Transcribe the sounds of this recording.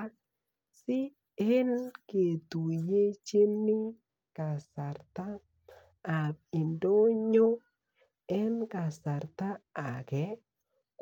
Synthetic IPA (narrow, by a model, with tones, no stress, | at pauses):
sɪ˦ | e˦nke˨tu˨je˦t͡ʃe˦nːi˦ | ka˨sa˨ɾtaː˦˨ | bɪ˨ndo˦ɲo˦ | ɛ˦nka˨sa˨ɾt̪a˦a˨ɡɛ˦ | k